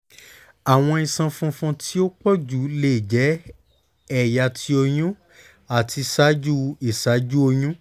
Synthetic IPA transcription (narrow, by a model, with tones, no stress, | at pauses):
a˨w̃ɔ̃˧i˧sã˧fũ˧fũ˧tʰi˦o˦k͡pɔ˦d͡ʒu˨˦le˦˨d͡ʒɛ˨˦ | ɛ˦˨ja˧˨tʰi˧o˧j̃ũ˦ | a˨tʰi˧sa˦d͡ʒu˦i˨sa˨˦d͡ʒu˦o˧jũ˦